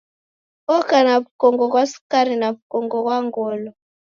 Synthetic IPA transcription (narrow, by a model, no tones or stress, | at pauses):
ɔkanaβukɔŋɡɔkwasu̥kaɾinaβukɔŋɡɔkwaŋɡɔlɔ